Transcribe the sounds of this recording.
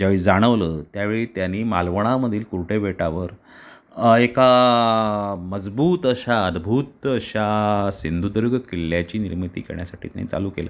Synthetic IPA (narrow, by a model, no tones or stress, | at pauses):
d͡ʑaʋeɭid͡zaɽ̃əʋlət̪jaʋeɭiːt̪janːiːmalʋəɽ̃aməd̪ʱiːlkuɾʈʰeʋeʈaʋəɾ | eka | məd͡zbuːt̪əɕaəd̪bʱuːt̪əɕasind̪ʱud̪əɾɡʱəkiljat͡ɕiːniɾmit̪ḭːkḛɳ̃jasaʈʰḭːt̪j̰anḭt͡sa̰luːkelə̰ː